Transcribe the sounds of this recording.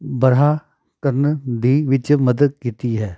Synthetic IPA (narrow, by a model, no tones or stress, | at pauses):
bɐɾɦaː | kəɾnd̪iːʋɪt͡ʃməd̪əd̪̚kiːt̪iɦɛː